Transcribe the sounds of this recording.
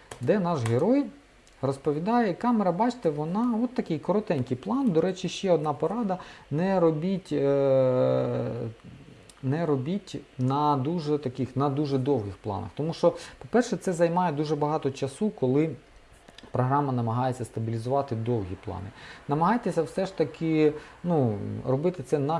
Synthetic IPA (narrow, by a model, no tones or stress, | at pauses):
d̪ɛnɑʃɦeɾɔj | rɔspɔʋʲid̪ɑjɛkɑmɛɾɐbɑt͡ʃt̪ɛʋɔnɑɔt̪ːɐkɪjkɔɾɔt̪ɛnʲkɪjplˠɑnd̪ɔɾɛt͡ʃiʃt͡ʃɛɔd̪nɑpɔɾɑd̪ɐnɛɾɔbʲitʲ | nɛɾɔbʲitʲnɐd̪uʒɛt̪ɐkɪxnɐd̪uʒɛd̪ɔwɦɪxplˠɑ̰nɐ̰xt̪ɔmuʃt͡ʃɔpɔpɛrʃɛt̪sɛzɐjmɑjɛd̪uʒɛbɐɦɑt̪ɔt͡ʃɐsukɔlˠɪ | pɾɔɦɾɑmɐnɐmɐɦɑjet͡sʲːɐst̪ɐbʲilʲizʊʋɑt̪ɪd̪ɔwɦʲiplˠɑ̰nɪ̰nɐmɐɦɑjt̪esʲɐwsɛʃt̪ɐkʰɪnuɾɔbɪt̪ɪt̪sɛnɐ